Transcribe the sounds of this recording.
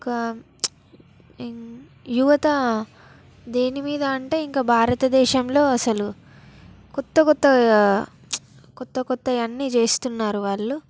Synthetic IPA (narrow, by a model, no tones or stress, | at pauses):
kɐ | juʋɐt̪ɐ | d̪eːnimiːd̪ɐːɳʈe̞ːiŋkaːbʱaːɾɐt̪ɐd̪ɛːʃɐmlo̞ːɐsɐlu | kɔt̪ːɐkɔt̪ːɐ | kɔt̪ːɐkɔt̪ːɐɐnːiːt͡ʃe̞ːst̪unːaːɾuʋaːɭːu